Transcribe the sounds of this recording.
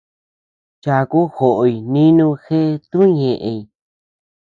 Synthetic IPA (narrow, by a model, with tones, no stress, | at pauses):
t͡ʃa˧ku˦xo˨ʔo˧˨i˧nĩ˦nũ˦˧xe˦˧t̪ũ˦ɲẽ˨ʔẽ˧i˨